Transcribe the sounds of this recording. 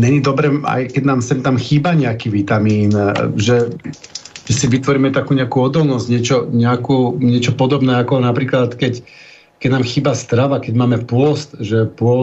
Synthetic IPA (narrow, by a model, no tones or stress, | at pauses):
ɲɛɲid̪ɔbɾɛːa̰jkɛɟnaːmsɛnt̪amxiːbaɲɛakiːʋit̪amiːnʒɛ | ʒɛsiʋit̪ʋɔɾiːmɛt̪akuːɲɛakuːɔd̪ɔlnɔzɟɲɛt͡ʃɔɲɛakuːɲɛt͡ʃɔpɔd̪ɔbnɛːakɔnapɾiːklat̪kɛc | kɛɟnaːmxiːbast̪ɾaʋakɛɟmaːmɛpʊɔst̪ʒɛpʊɔ